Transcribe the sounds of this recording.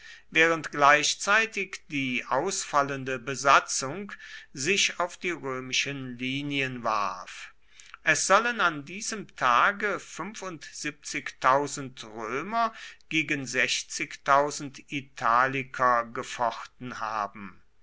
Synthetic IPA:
vɛːʁəntɡ̥laɪʃt͡saɪtɪkd̥iːʔaʊsfaləndəbəzat͡sʊŋkzɪçaʊfd̥iːʁøːmɪʃənliːniənva̰ɐf | ʔɛsz̥ɔlənandiːzəmtʰaːɡəfʏnfʊntz̥ip̚t͡sɪktʰaʊzn̩tʁøːmɐɡ̥eːɡənzɛçt͡sɪktaʊzn̩titʰaːlɪkʰɐɡəfɔχtn̩ha̰ːbm̩

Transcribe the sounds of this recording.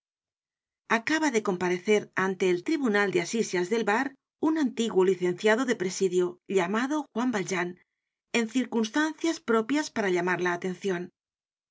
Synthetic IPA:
akaβaðe̞ko̞mpaɾe̞θe̞ɾant̪e̞ːlt̪ɾiβunald̪easisjazðe̞lβaɾ | unant̪iɣwoliθe̞nθjaðo̞ðe̞pɾesiðjoʎamaðoxwambalʒan | e̞nθiɾkunst̪anθjaspɾo̞pjaspaɾaʎamaɾlaːt̪e̞n̟θjo̞n

